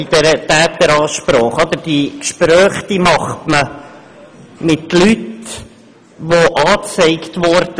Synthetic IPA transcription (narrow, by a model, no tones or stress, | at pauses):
id̥ɛɾət̪æːt̪əɾɑːʃpɾɔːχɑd̪əɾd̥ikʃpɾœːχd̥̪imɑχtmə | mɪt̪lyt | ʋoʔɑːt͡sɛɪkt̪ʋɔɾd̥ə